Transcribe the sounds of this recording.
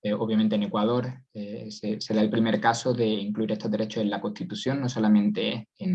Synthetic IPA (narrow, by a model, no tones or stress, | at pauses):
eo̞βjamẽnt̪ene̞kwað̞o̞ɾesese̞ɾaelpɾime̞ɾkaso̞ðe̞iŋkluiɾe̞st̪oðeɾe̞t͡ʃose̞nlako̞ht̪it̪uθjo̞nːo̞so̞lamẽ̞nt̪e̞en